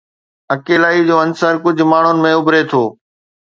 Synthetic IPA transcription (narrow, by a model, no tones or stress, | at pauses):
ɐkeːlaːid͡ʑoːɐnsəɾkʊd͡ʑʱmaːɳ̤ʊnɪ̆mẽʊbɾet̪ʰoː